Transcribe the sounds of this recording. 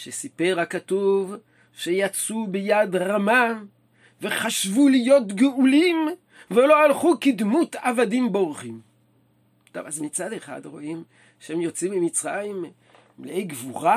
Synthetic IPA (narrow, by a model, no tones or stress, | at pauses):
ʃesipe̞ʁakatuv | ʃejat͡subejadʁama | ve̞χaʃvulijo̞tɡeulim | velo̞alχukid̪mut̪avadimboʁχim | t̪ovazmit͡sad̪eχa̰d̪ʁo̞ʔim | ʃeemjo̞t͡simimit͡sʁajim | leʔejɡvuʁa